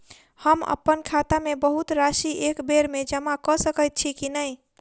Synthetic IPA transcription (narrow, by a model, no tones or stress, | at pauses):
həmə̰pːənkʰat̪amebəɦut̪ɾasiʔekbeɾmed͡ʒəmakɔsəkət̪̚t͡ʃʰikinəj